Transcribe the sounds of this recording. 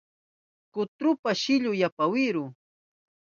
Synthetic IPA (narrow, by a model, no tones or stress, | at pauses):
kʊt̪ɾʊpaʃɪʎʊjapawɪɾʊ